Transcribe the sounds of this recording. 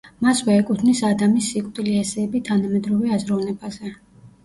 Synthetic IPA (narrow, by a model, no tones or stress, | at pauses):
masvɛːkʼut̪ʰnisad̪amisːikʼd̪ʼiliɛsɛːbit̪ʰanamɛd̪ɾɔvɛazɾɔvnɛbazɛ